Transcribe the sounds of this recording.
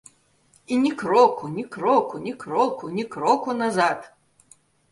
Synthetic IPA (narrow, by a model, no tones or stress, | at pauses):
inʲikɾɔkunʲikɾɔkunʲikɾɔkunʲikɾɔkunazat̪